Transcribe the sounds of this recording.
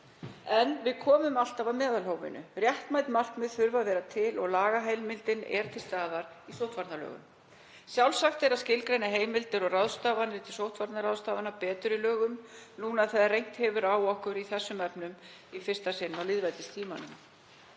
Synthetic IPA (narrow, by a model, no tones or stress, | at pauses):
ɛnvɪðkʰɔːmʏmal̥t̪avamɛːðalhoːwvɪ̰nʏ̰rjɛht̪majt̪mar̥kmɛðθʏɾvaðvɛːɾat̪ʰɪlɔɣlaːɣaɦajlmɪlt̪ɪnɛ̰ɾ̥t̪ʰɪlst̪aːðaɾ | isowht̪vaɾt̪nalœ̰ːɣʏ̰m | sjawlsaxt̪ɛɾaðscɪlkɾejnaɦeːjmɪlt̪ɪɾɔɣrawðst̪aːvanɾɪt̪ʰɪlsowht̪faɾt̪naɾawðst̪aːvanapɛːt̪ʏɾilœːɣʏmnuːnaðθɛðarejŋ̥t̪hɛvʏɾaːwɔhkʏɾiθɛsːʏmɛpnʏm | ifɪrst̪asɪnːawlɪːðvajt̪ɪst̪ʰiːmanʏm